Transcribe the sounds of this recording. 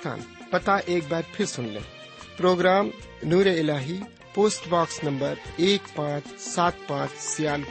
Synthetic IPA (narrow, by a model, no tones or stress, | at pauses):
t̪ʰa̰ːn | pɐt̪aʔeːk̚baːɾpʰɪɾsʊnlḛ̃ː | pɾoːɡɾaːm | nuːɾeɪlaːɦi | poːsʈbaːksnɐ̃mbəɾeːkpãːt͡ʃʰsaːt̪̚pãːt͡ʃsijaːl